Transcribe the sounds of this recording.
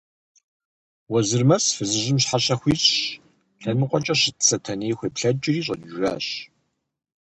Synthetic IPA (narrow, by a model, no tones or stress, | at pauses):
wɐzɨrmɐsfɨzɨʑɪmɕħaɕɐxʷiːzʼɕ | ɬɐnɨqʷʼɔt͡ʃʼɐɕɪtt͡sʰɐtʰɐneːjxʷeːpɬɐd͡ʒɪriːɕ̬ʼɐ̰nʒra̰ːɕ